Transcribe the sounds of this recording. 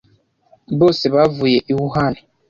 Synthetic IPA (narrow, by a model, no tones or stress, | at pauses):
bosibavujeʔiwuɦani